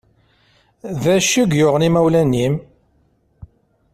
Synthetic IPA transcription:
ðæʃiɡjʊʁənimæwlænːim

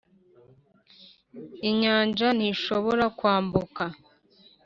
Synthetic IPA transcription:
iɲaːɲd͡ʒaniʃo̞βoɾakwaːmbuka

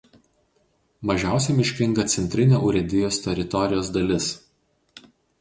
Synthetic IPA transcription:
mɐʒʲæˑʊsʲɛmʲɪʃʲkʲɪŋɡɐt̪sʲɛnʲt̪ʲɾʲɪnʲoʔʊɾʲɛd̪ʲɪjoːst̪ʲɛɾʲɪt̪ɔɾʲɪjoːs̬d̪ɐlʲɪs

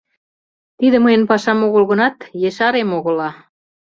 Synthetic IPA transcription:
t̪iðə̆məjə̆npɑʃɑmoɣə̆lɣə̆nɑt̪jeʃɑɾemoɣɤ̆lɑ

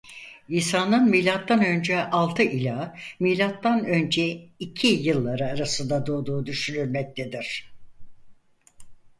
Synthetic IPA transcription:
iːsaːnɯnmilʲat̪ːanø̞nd͡ʒɛʔalˠt̪ʰɯʔilʲamilʲat̪ːanø̞nd͡ʒɛicʰijɯlˠːaɾɯaɾasɯnd̪ad̪oːd̪uːd̪yʃynyɾmɛc̚t̪ʰed̪iɾ̥

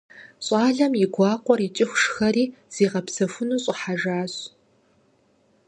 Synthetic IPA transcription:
ɕʼɑːɮɐmjɪɡʷɑːqʷɔrit͡ʃʼɪxʷʊʂxɐriːz̥iːʁɐpsɐfʊnuːɕʼɪħaʒaːɕ

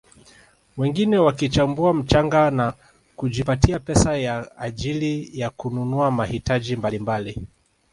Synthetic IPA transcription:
wɛŋɡinɛwakit͡ʃambuam̩t͡ʃaŋɡana | kuʄipatiapɛsajaːʄilijakununuamahitaʄimbalimbali

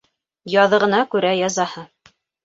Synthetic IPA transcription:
jɑðɤ̆ʁɤ̆nɑkʉɾæjɑzɑhɤ

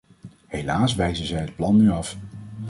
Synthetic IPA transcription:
hejlaːsʋɛjzənzɛjɦət̚plɑnːyɑf

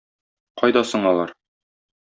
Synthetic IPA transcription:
qɒjd̪ɑsɤ̆ɴɒlˠɑɾ

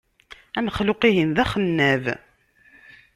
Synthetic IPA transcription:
æməχlʊqiɦinðæχənːæv

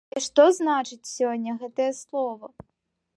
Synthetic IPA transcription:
ɛʂt̪ɔznat͡ʂɨt͡sʲsʲɔnʲːɐɣɛt̪ɐjɐslˠɔvɐ

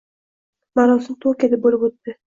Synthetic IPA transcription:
maɾɒsɪnt̪ʰokʲad̪abolɪpot̪ːɪ

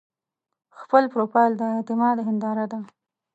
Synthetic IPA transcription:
xpəlpɾopɑjld̪əɪt̪ɪmɑd̪ɦɪnd̪ɑɾad̪a

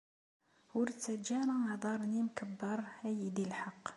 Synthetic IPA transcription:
hʊɾt̪ːæd͡ʒæɾˤɑnɑd̪ˤɑɾˤnimkəbːəɾˤhæjid̪ilħɑqː

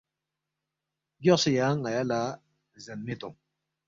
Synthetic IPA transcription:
ɡɔsijaŋajala | zanːit̪oŋ

